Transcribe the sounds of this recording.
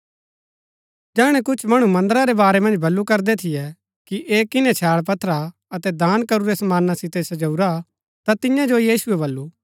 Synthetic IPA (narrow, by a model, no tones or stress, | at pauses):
d͡ʒɛːɽ̃ɛ̃kʊt͡ʃʰmɐɽ̃umɐ̃nd̪əɾaɾɛbaːɾɛmɐ̃nd͡ʒbʱɐlːukɐɾd̪ɛt̪ʰɪjɛ | kiʔeːkɪnɛt͡ʃʰaːɽp̬ɐt̪ʰɾa | ɐt̪ɛd̪aːnkɐɾuɾɛsɐmaːnːasɪt̪ɛsɐd͡ʒɐuɾa | t̪at̪ɪ̃jãd͡ʒojiːsʊɛβɐlːu